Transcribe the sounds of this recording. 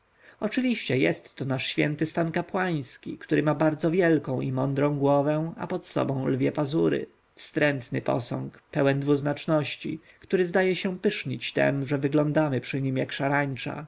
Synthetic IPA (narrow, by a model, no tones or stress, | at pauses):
ɔt͡ʂɘvʲiɕt͡ɕɛjɛst̪ːɔnaʂɕfʲjɛnt̪ɘst̪ankapwaj̃skʲikt̪uɾɘmabaɾd̪zɔvʲjɛlkɔ̃w̃imɔnd̪ɾɔ̃w̃ɡwɔvɛ̃a̰pɔt̪sɔ̰bɔ̃w̃lvʲjɛpazuɾɘ̰ | fst̪ɾɛnt̪nɘ̰pɔ̰sɔ̰ŋkpɛwɛnd̪vuznat͡ʂnɔɕt͡ɕḭ | kt̪uɾɘzd̪ajɛɕɛ̃pɘʂɲit͡ɕt̪ɛ̰mʐɛvɘɡlɔnd̪amɘpʂɘɲimjakʂaɾaɲt͡ʂa̰